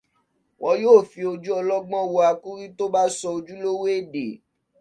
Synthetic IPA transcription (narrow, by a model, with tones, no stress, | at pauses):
wʔɔ̃˧joː˦˨fi˧o˧d͡ʒu˦ɔ˧lɔ˦ɡ͡bɔ̃˦˨wo˧a˧ku˦ɾi˦to˦ba˦sɔ˧o˧d͡ʒu˦lo˦we˦e˦˨dḛ˨